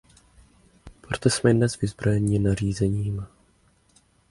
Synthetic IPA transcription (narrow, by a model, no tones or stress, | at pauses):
pɾot̪ɛsmɛdnɛzvɪzbɾo̞jɛɲɪnar̝iːzɛɲiːm